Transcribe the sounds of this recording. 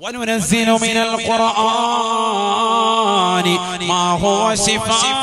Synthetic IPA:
nʊnazːɪlmɪnalqʊɾʔa | n | maːɦʊwaʃɪf

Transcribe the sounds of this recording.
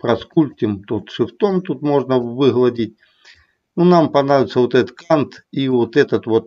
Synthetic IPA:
pɾɐskulʲt̪ʲɪmt̪ot̪ʂɨft̪omt̪ut̪moʐnɐvɨɣlˠɐdʲitʲ | nunampɐnɾaʋʲɪt̪səvot̪ɛt̪ət̪kant̪ivot̪ɛt̪ɐt̪ʋot̪̚

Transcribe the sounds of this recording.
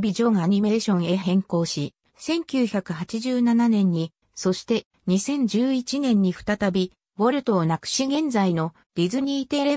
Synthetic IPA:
bʲid͡ʑo̞ːŋaɲ̟ime̞ːɕõ̞ɰ̃e̞ɦẽ̞ŋko̞ːɕi | sẽ̞ŋkʲɨːçakɯ̟ɦat͡ɕiʑɨːnananẽ̞ɲ̟ːi | so̞ɕi̥t̪e̞ | ɲ̟isẽ̞ɲ̟d͡ʑɨːit͡ɕinẽ̞ɲ̟ːiɸɯ̟̥t̪at̪abʲi | βoɾɯ̟t̪o̞ːnakɯ̟̥ɕiɡẽ̞nd͡zaino̞ | ɾʲizɨɲ̟iːt̪e̞ɾe̞

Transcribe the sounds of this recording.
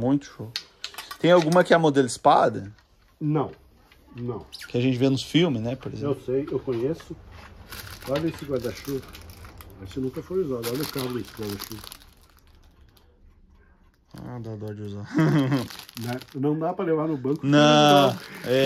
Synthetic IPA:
mũj̃t̪ʊ̥ʃo | t̪ẽj̃awɡũmɐkɪɛmod̪elɪspa̰d̪ɐ | nɐ̃w̃ | nɐ̃w̃kɪaʒẽnt͡ʃɪvenʊsfiwmɪznɛpoɾezewsejewkõɲesʊ | kabẽsɪkwad̪aʃukɐmɐsɪnũkɐfojuzad̪ɔɾlekabẽsɪ̥kad̪ɐaʃukɐ̥ | a̰d̪ad̪ɔɾd͡ʒɪuza | nanɐ̃w̃d̪apɾɐlevaɾnʊbɐ̃kʊnɐ̃ | ɛ

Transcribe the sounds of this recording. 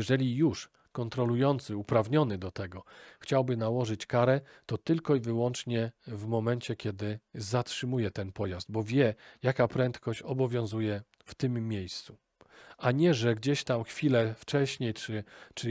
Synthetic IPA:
ɛʐɛlʲijuʂ | kɔnt̪ɾɔlujɔnt̪sɘupɾavɲɔnɘd̪ɔt̪ɛɡɔxt͡ɕawbɘnawɔʐɘt͡ɕkaɾɛ | t̪ɔt̪ɘlkɔivɘwɔnt͡ʂɲɛvmɔmɛnt͡ɕɛkʲɛd̪ɘzatʂɘmujɛt̪ɛnpɔjazd̪̚bɔvʲjɛjakapɾɛnt̪kɔɕt͡ɕɔbɔvʲjɔ̃w̃zujɛ | ft̪ɘmːʲejst̪su | aɲɛʐɛɡd͡ʑeɕt̪amxfʲilɛft͡ʂɛɕɲejt͡ʂɘt͡ʂɘ

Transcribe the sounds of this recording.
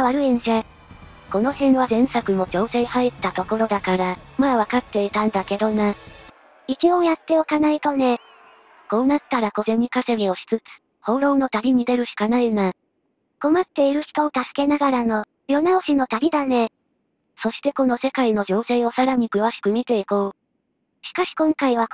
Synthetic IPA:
βaɾɯ̟ẽɰɕa | ko̞no̞hẽ̞ɰ̃βazẽ̞ɰ̃sakɯ̟mo̞d͡ʑo̞ːse̞ːhait̪ːat̪o̞ko̞ɾo̞d̪akaɾamaβakat̪ːe̞it̪ãnd̪ake̞d̪o̞na | ikʲiojat̪ːe̞o̞kanait̪o̞ne̞ | ko̞ːnat̪ːaɾako̞ze̞ɲ̟ːikase̞mʲio̞ɕi̥t͡sɨt͡sɨ̥ | ho̞ːɾo̞ːno̞t̪aɾʲiɲ̟id̪e̞ɾɯ̟ɕi̥kanaina | ko̞mat̪ːe̞iɾɯ̟çi̥t̪o̞ːt̪asɨ̥ke̞naɡaɾano̞ | jo̞naoɕino̞t̪aɾʲid̪ane̞ | so̞ɕi̥t̪e̞ko̞no̞se̞kaino̞d͡ʑo̞ːse̞ːo̞saɾaɲ̟ikɯ̟βaɕi̥kɯ̟mʲit̪e̞iko̞ː | ɕi̥kaɕi̥kõ̞ŋkaiβ̞a

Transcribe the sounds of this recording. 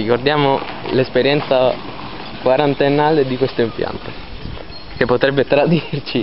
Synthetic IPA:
ikord̪jaːmolespeɾjɛnt̪sa | kwaɾant̪enaːled̪ikwest̪oimpja̰nt̪o̥ | k̟epːot̪ɾɛbːet̪ɾad̪irt͡ʃi

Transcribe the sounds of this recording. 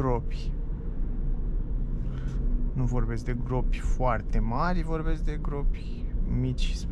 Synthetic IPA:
ɾopʲ | nuvo̞rbe̞sk̚d̪e̞ɡɾo̞pʲfoart̪e̞maɾʲvo̞rbe̞sk̚d̪e̞ɡɾo̞pʲ | mit͡ʃʲs

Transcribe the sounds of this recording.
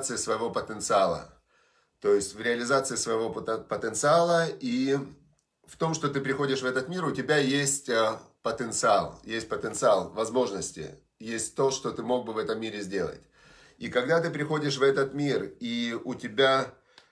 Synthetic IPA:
t̪sɨɪsvəjɪvo̞pət̪ənt̪sɨalˠə̰ | t̪o̞jɪsʲtʲvɾʲɪɐlʲɪzat̪sɨɪsvəjɪvo̞pət̪ənt̪sɨalˠəi | ft̪o̞mʂt̪o̞t̪ɨpɾʲɪxo̞dʲɪʂvɛt̪ət̪mʲiɾʊtʲɪbʲajesʲtʲəpət̪ənt̪sɨalˠjesʲt̚ʲpət̪ənt̪sɨalˠvɐzmo̞ʐnəsʲtʲɪ̰ | jesʲtʲt̪o̞ʂt̪o̞t̪ɨmo̞ɡ̚bɨvɛt̪əmːʲiɾʲɪzʲdʲe̞lˠə̰tʲ | ikɐɡ̚d̪at̪ɨpɾʲɪxo̞dʲɪʂvɛt̪ət̪mʲiriʊtʲɪbʲa

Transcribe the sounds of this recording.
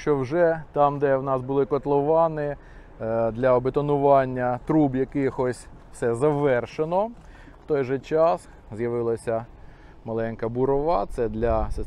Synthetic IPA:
t͡ʃɔwʒɛt̪ɑmd̪ɛwnɑsbʊlˠɪkɔt̪lˠɔʋɑnɪ | d̪lʲɐɔbet̪ɔnʊʋɑnʲːɐt̪ɾubjɐkɪjxɔsʲ | fsɛzɐʋɛrʃenɔ | wt̪ɔjʒɛt͡ʃɑs | zjɐʋɪlˠɐsʲɐ | mɐlˠɛnkɐbuɾɔʋɑt̪sɛd̪lʲɐse

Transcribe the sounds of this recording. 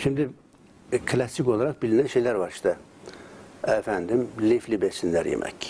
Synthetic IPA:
ʃimd̪i | kʰlæsiko̞lˠɑɾɑχbilinænʃejlæɾvɑɾʃt̪ɑ | æfænd̪imliflibesind̪æɾjḛmʔæ̰c

